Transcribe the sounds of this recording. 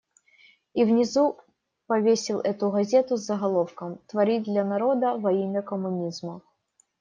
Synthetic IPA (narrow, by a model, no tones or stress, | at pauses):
ivnʲɪzu | pɐvʲesʲɪlˠʔɛt̪ʊɣɐzʲe̞t̪ʊzːəɣɐlˠo̞fkəmt̪vɐɾʲid̪lʲɐnɐɾo̞d̪əvɐimʲəkəmʊnʲizmə